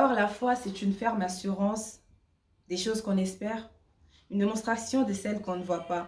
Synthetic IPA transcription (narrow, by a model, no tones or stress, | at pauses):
ɔʁalafwasɛt̪ynfɛʁmasyʁɑ̃s | d̪eʃozkɔ̃nɛspɛːʁ | ynd̪emɔ̃st̪χasjɔ̃d̪əsɛlkɔ̃nəvwapa